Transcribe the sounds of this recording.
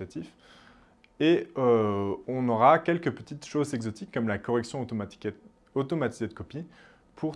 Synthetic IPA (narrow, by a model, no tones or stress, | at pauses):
at̪if | eøɔ̃nɔʁakʲɛlkəpət̪it̪ʃozɛɡzɔt̪ʰikːɔmlakɔʁɛksjɔ̃ | ot̪ɔmat̪ized̪əkɔpi | pʰuʁ